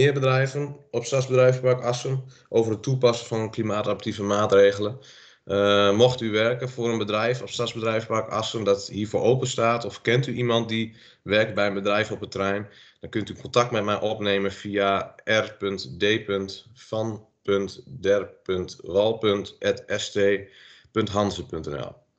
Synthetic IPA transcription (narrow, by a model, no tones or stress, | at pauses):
mɪəbədrɛjvənɔpstazbədrɛjfplakɑsən | ʔoːvərətʰːupasənfɔnənklimaːtapərtivəmaːtreːɣələn | mɔxtyʋɛrkənfʊːɾənbədrɛjfɔpstazbədrɛjfplakɑsəndɔthiːfoːɹʔowpənstaːtɔfkɛntyʔimɑnt̚di | ʋɛrk̚t̚bɛjənbədrɛjvɔpətrɛjm | d̥ɔnkʏntykʰɔntak̚tmɛtmɛjʔopneːmənfiaʔɛrpøntdeːpøntfɔn | pøntdɛrpøntʋɔlˠpøntɛtɛsteːpøntɦɑnzəpʏntɛnɛ̰lˠ